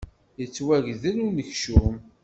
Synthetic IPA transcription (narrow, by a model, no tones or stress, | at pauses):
jət͡sːwæʝðənunəçʃum